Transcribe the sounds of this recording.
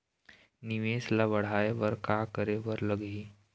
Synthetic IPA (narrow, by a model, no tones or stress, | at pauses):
niʋeːslaʋəɽ̤aeʋəɾkakəɾeʋəɾləɡɦiː